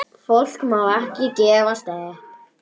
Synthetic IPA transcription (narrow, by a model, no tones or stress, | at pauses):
fowl̥kmawɛhcɪcɛːvast̪ɛː